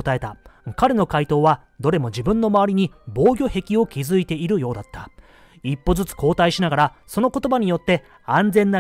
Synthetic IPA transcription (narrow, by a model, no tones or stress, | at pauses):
ot̪ae̞t̪akaɾe̞no̞kait̪o̞ːβa | d̪o̞ɾe̞mo̞d͡ʑibɯ̟̃nːo̞maβaɾʲiɲ̟ibo̞ːɡʲo̞he̞kʲio̞kʲizɨit̪e̞iɾɯ̟jo̞ːd̪at̪ːḁ | ipːo̞zɨt͡sɨ̥ko̞ːt̪aiɕinaɡaɾa | so̞no̞ko̞t̪o̞baɲ̟ijo̞t̪ːe̞ | ãnd͡zẽ̞nːa